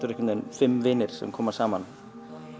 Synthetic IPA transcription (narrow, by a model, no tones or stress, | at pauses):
t̪ʏɾɛkʏmnenfɪmːvɪːnɪɾ̥sɛ̰mkʰɔːmaɾ̥saːman